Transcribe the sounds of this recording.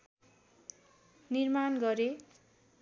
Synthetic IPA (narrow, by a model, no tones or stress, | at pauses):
nirmanɡʌɾe